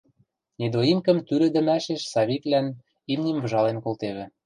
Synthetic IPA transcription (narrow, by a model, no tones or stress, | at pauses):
nid̪oimkə̆mt̪yɾɘ̆d̪ɘ̆mæʃeʃsɑβiklæn | imnʲimvɤ̆ʒɑlenkolt̪eβɘ̆